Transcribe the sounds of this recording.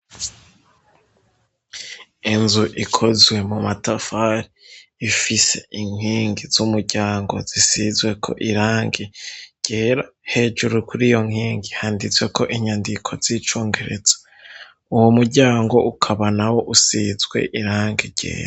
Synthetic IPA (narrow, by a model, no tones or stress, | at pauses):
inzuʔikʰozwe̞mumatafaɾiːfise̞̰ʔiŋ̥iːŋɡiz̥umuɾɟaːŋɡo̞̰z̥isizwe̞kʰo̞̰ʔiɾaːŋɡeɟ̥e̞ːɾahe̞ːd͡ʒuɾukuɾijo̞ŋ̥hiːŋɡihaːndit͡swe̞ko̞ʔiɲandikʰo̞z̥it͡ʃoːŋɡe̞ɾe̞z̥ḁ | uwomuɾɟaːŋɡo̞ukʰaβanawo̞ʔusizɡwe̞̰ʔiɾaːŋɡiɾɟ̥ḛːɾa